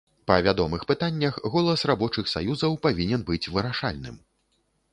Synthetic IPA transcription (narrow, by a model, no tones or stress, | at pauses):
pɐvʲad̪ɔmɨxpɨt̪anʲːɐxɣɔlˠɐsrabɔt͡ʂɨxsa̰juzɐwpavʲinʲɛnbɨt͡sʲvɨɾaʂa̰lʲnɨ̰m